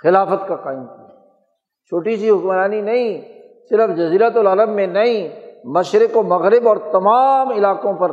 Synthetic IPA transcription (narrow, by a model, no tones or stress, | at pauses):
xɪlaːfət̪kaqaːɪmk | t͡ʃʰoːʈisiɦʊkmɾaːninɐɦĩ | sɪɾəfd͡ʒɐziːɾət̪ʊlɐləbːẽnɐɦĩmɐʃɾɪkomɐɣɾɪbɔːɾt̪ɐmaːmɪlaːqõpɐɾ